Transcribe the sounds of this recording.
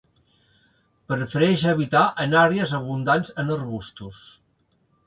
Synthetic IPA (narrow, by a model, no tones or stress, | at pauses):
pəɾəfəɾɛʒəβit̪aʔənaɾeəzəβ̞und̪anzənərβust̪us